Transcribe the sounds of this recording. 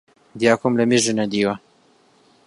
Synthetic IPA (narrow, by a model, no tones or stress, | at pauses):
d̪ijaːkʰumlɐmeʒɨnɐd̪iːwɐ